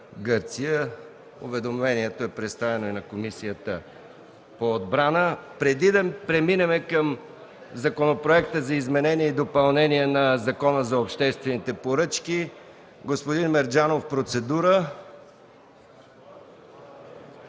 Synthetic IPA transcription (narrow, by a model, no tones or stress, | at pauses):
ɡɤɾt̪sijə | ʊ̰vɛd̪omvɛniɛt̪oɛpɾɛt̪st̪avɛnoinɐkomisijət̪ə | poːd̪bɾanəpɾɛd̪id̪pɾɛminɛmɛkəm | zɐkonopɾoɛkt̪əzɐizmɛnɛniɛid̪opɐlˠnɛniɛnɐzɐkɔnəzɐopʃt̪ɛst̪vɛnit̪ɛpoɾɤt͡ʃki | ɡospod̪inmɛɾd͡ʒanofpɾot̪sɛd̪uɾə